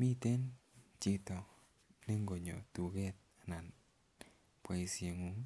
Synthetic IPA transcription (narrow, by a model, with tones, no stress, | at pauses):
mi˦te˦nt͡ʃɪ˦tɔ˨ | ne˦ŋɡo˨ɲo̰˨tu˨ke˦t̚ | a˨na˨n | pwa˨i˨se˨ŋu˨˦ŋ